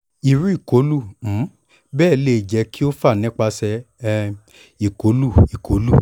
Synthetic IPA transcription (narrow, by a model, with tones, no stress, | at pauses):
i˨ɾu˦i˦˨ko˨˦lu˦˨m̩˨˦ | bɛː˦˨le˦˨d͡ʒɛ˨˧˦kʰi˦o˦fa˦˨nĩ˦k͡pa˧sɛ˧ | i˨ko˨˦lu˦˨i˨kʰo˨˦lu˦˨